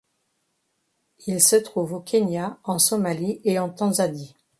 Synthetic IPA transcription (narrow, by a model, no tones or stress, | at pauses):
ilsət̪χuvokʰʲenjaɑ̃sɔmalieɑ̃t̪ɑ̃zani